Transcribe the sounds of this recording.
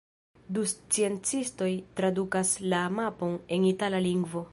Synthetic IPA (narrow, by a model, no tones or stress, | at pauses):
dust͡sie̞nt͡sisto̞jtɾadukaslamapo̞ne̞nitalaliŋɡvo̞